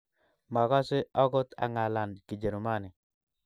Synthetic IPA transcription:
ma˨ka˦sɪ˦ɔ˦ɡɔ˦t̪a̰˨ŋa˨la˨nkɪ˨d͡ʒe˨ɾu˨ma˦nɪ˨

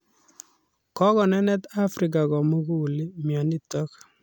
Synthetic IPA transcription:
kɔ˦kɔ˨nɛ˦nɛ˦t̪a˦fɾi˨k̬a˨kɔ˨mu˦ku˦u˨li˦mjɔ˨ni˦t̪ɔ˦k

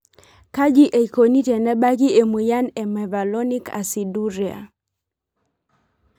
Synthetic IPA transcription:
ka˦d͡ʒi˦ʔe˨i˨ko˨ni˦tɛ˨nɛ˦ɓa˦ki˦e˨mu˨ja˦nɛ˨ma˨va˨lɔ˦ni˦ka̰˨si˨du˦ɾia̰˨

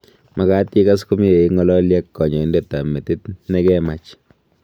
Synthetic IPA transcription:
ma˨ka˦ti˦ka˦s̬ku˦m˦e˨i˨ŋɔ˦lɔ˦ljɛ˦kːɔ˨ɲɔ˨˦nde˨ta˨mɛ˨tɪ˦tnɛ˦kɛ˦ma˦t͡ʃ

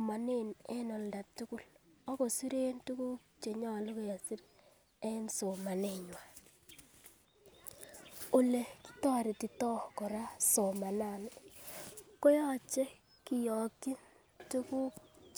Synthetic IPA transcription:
ma˨ne˦˨nɛ˦nɔ˨nda˨tu˦kʊ˦lɔ˦ko˨su˦ɾe˦ntu˦ku˦ | t͡ʃe˨ɲɔ˦˨lʊ˦kɔ˨ja˨si˦ɾ | ɛ˦nso˨ma˨ne˦˨ɲwa˨ | o˨le˨ki̥˦tɔ˦ɾi˨ti˨tɔ˦kɔ˨ɾa˦so˨ma˨na˦˨nɪ˦ | ko˦jɔ˦t͡ʃe˦ | ki˨jɔ˨ki˦n | tu˦ku˦

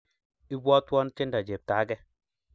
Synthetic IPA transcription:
i˦bwɔ˦twɔ˦n˦t͡ʃɪ˦nda˨d͡ʒe˨p̚taː˨˦ɡɛ˦

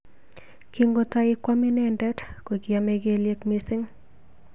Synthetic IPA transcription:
kiŋɡo˦ta˦ɪ˦kwa˦mɪ˦nɛndɛ˦tko˨kɪameɡe˦lje˦kmi˦sɪ˦ŋ

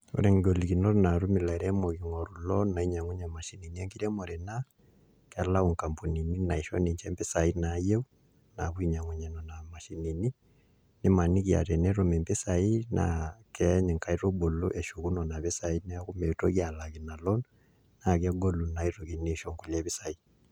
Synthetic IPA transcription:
o̰˦ɾɛ˨ŋɡo˨liɣi˨nɔ˦ɾna˨ɾu˦mi˨la˨ɛ˨ɾɛ˦mɔ˨ɣi˨ŋɔ˨ɾu˨lɔnna˨i˦ɲa˨ŋu˦ɲa˨ma˨ʃi˦ni˨niɛ˦ŋki˦ɾɛ˦mɔ˨ɾɛ˨na | kɛ˨la˦uŋka˨mpu˨ni˨ni˦na˨iʃɔ̰˦ne˨ɲt͡ʃɛ˦mpɛ˦sa˨i˦naje˦u | na̰˨βwiɲa˨ŋu˨ɲa˨nɔ˨na˨ma˨ʃi˨ni˨ni | ne˦ma˨ni˦ɣja̰˨ɾɛ˨nɛɾo˨mɛ˨mpe˦sai˦na̰kɛɲɛ˨ŋka˨i˦ɾo˦bo˨lo˦ʔɛ˨ʃu˨ɣu˦nɔ˨na˨βe˦sa˨i˦nɛa˦ɣu˦mɛ˨to˦ɣia˨la˨ɣi˨na˨lɔ˦n | na˨ɣja˦ɡo˦lu˨na˨iɾo˨ɣine˦ʃɔ˨ŋku˨lɛ˦βi˦sa˨i˦

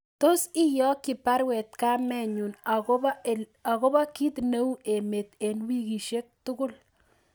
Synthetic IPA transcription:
to˦si˦jɔ˦kːɪ˨pa˦ɾwɛ˨t̪̚ka˦mɛ˦˨ɲu˨n | a˨ɣo˦ba˦ki˦t̪ne˦wʔe˨me˨t̪e˨nwi˦ki˨ʃe˦k̚tʊ˦kʊ˦l

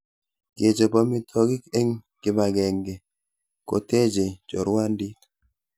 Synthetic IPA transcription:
ke˨t͡ʃe˨pɔ˦mɪ˦tʰɔ˦ɡɪ˦ke˦ŋ | kɪ˦ma˨ɡɛ˨ŋɡe˨ | ko̰˨te˦d͡ʒe˨d͡ʒɔ˨ɾwa˦ndi˦t

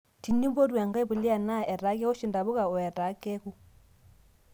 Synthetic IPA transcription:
ti˨ɲu˦bo˦ɾwa˨ŋɡa˦i˦βu˨li˦a˨na˦˨ɛ˨ɾa˨˦kɛ˦ɔ˦ʃi˨nda˨βu˦ka˨ɔ˨ɛ˨ɾa˨˦kɛ˦ku˦

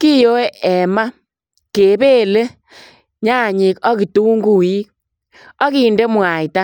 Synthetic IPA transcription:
ki˦jo˦e˦ɛ˨ma˦ | ke˨be˦le˦ | ɲa˦˨ɲi˨kɔ˦ki˨tu˦ŋɡu˨i˦k̚ | ɔ˦ki˨nde˦mwa˨i˨ta˦

